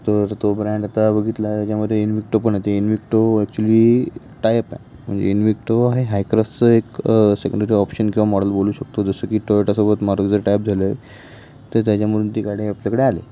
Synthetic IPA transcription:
t̪əɾt̪obɾãɳɖat̪abəɡʱit̪lat̪jat͡ɕjaməd̪ʱːjeinʋik̚ʈopəɳet̪einʋik̚ʈoɛk̚t͡ɕuəliː | ʈajpa̰ | m̤ə̰ɳd͡ʑḛinʋikʈoaɦeɦajkɾast͡səeksekəɳɖəɾiːɔpɕənkĩw̃ʋamɔɽəlboluːɕək̚t̪od͡zəsəːkiːʈɔʈasobət̪maɾɡd͡zəɾʈajp̚d͡zʱaləe | t̪əɾt̪jat͡ɕjaməɾuːnt̪ikaɽiapljakəɽealḛ

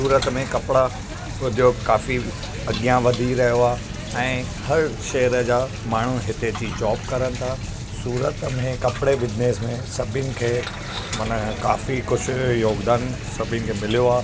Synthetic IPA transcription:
suːɾət̪mẽkɐpɪɽa | ʊd̪ʱjoːkaːfi | ɐɠijãʋɐd̪ʱiɾɐɦijoaː | ɛ̃ː | hɐɾʃɐɦɾəd͡ʑaː | maːɳ̤uɦɪt̪ed͡ʑid͡ʑɔːbkɐɾənɪ̆t̪ʰaː | suːɾət̪mẽkɐpɪɽebɪd͡ʑneːsmẽsɐbʱɪʊnɪ̆kʰeː | mɐnəka̰ːfikʊd͡ʑʱjoːɡd̪aːn | sɐbʱɪənɪ̆kʰeːmɪlijoaː

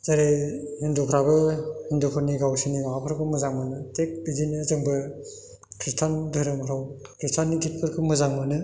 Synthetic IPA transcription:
zaɾehindukʰɾabɯhindukʰɯɾniɡawsinimaapʰɯɾkɯmɯzaŋmɯnɯtek̚bidinizɯŋbɯ | kʰɾistʰandɯɾɯmɾawkʰɾistʰanːiɡit̚pʰɯɾkʰɯmɯzaŋmɯnɯ

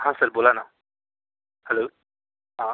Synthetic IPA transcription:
ɦãːsɐɾboːlana | hɛlo | ɦã

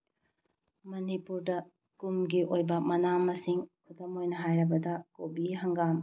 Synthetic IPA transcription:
mɐnipuɾdɐ | kumɡiʔojbɐmɐnamːɐsiŋkʰutɐmojnɐɦajɾɐbɐdɐkobiɦɐŋɡam

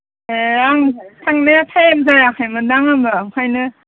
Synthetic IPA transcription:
eaŋzatʰaŋnajatʰajemzajakʰajmɯdaŋambaŋkʰajnɯ

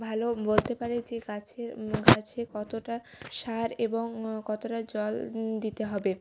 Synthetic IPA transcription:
bʱalobolt̪epaɾed͡ʑeɡat͡ɕʰeɾɡʱat͡ɕʰekɔt̪oʈaʃaɾeboŋkɔt̪oʈad͡ʑɔld̪it̪eɦɔbe

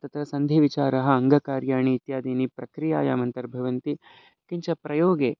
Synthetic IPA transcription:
t̪ɐt̪ɾɐsɐnd̪ʱiʋit͡ʃaːɾɐɦɐ̆ːŋɡɐkaːɾjaːɳiːt̪jaːd̪iːnipɾɐkɾija̰ːja̰ːmɐnt̪ɐɾbʱɐʋɐnt̪i | kiɲt͡ʃɐpɾɐjoːɡeː

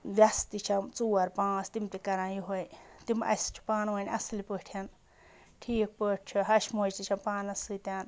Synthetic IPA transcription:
ʋjɐst̪it͡ʃʰɐmt͡suːɐɾpãːsʰt̪imt̪ikɐɾãːjiɦojt̪imɐ̰st͡ʃʰu̥paːnʋɐnʲɐslipəʈʰjɐn | ʈʰiːk̚pəːʈ̚ʰt͡ʃʰuɦɐʃmoːd͡ʒt̪it͡ʃʰampaːnɐsɨt̪ʲaːn

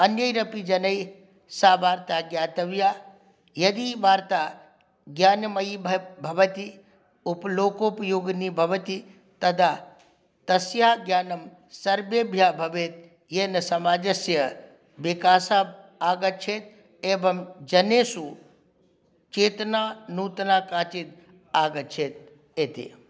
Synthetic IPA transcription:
ɐnjəjɾɐpid͡ʒɐnɐj | saːʋaːɾt̪aɡjaːt̪ɐʋjaː | jɐd̪iʋaːɾt̪a | ɡjaːnmɐjbʱbʱɐʋət̪i | uploːkopjoːɡnibʱɐʋət̪i | t̪ɐd̪ʱa | t̪ɐsjaːɡjaːnɐm | sɐɾbjebʱjaːbʱɐʋeːt̪̚ | jeːnɐsɐmaːd͡ʒɐsjɐ | ʋikaːsaaːɡɐt͡ʃʰeːt̪̚ | eːbɐmd͡ʒɐneːsu | t͡ʃeːt̪naːnuːt̪naːkaːt͡ʃit̪̚ | aːɡɐt͡ʃʰeːt̪̚ | eːt̪ḛː

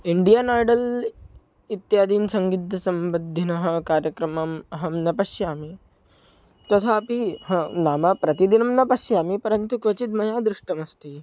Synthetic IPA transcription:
iɳɖijaːnaːɾɖɐl | it̪jaːd̪iːnsɐŋɡid̪ːɐsɐmbɐd̪ʱːinɐɦɐ̆kaːɾjɐkɾɐmɐmɐɦɐmnɐpɐʃjaːmi | t̪ɐt̪ʰaɐpiɦɐnaːmɐpɾɐt̪id̪inɐmnɐpɐʃjaːmipɐɾɐnt̪ukʋɐt͡ʃit̪̚mɐjaːd̪ɾuʂʈɐmɐst̪i

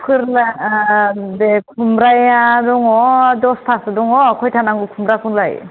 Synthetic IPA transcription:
pʰɯɾla | bekʰumɾajadɔŋɔdɔspʰasdɔŋɔkʰɔjtʰanaŋɡukʰumɾakʰuŋlaj

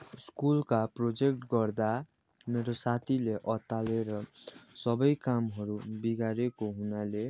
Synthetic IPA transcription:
skulkaprod͡zek̚ʈɡʌrd̪a | meɾosat̪ʰileʔʌt̪aleɾʌsʌbʌjkamɦʌɾubiɡaɾekoɦunale

